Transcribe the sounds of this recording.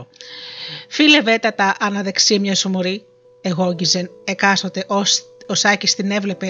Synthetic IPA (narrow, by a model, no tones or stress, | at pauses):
file̞ve̞t̪ɐt̪ɐʔɐnɐðe̞ksiɐmɲɐsumoɾi | eɣo̞ɟizenekɐsot̪eʔoosɐcist̪ine̞vle̞pe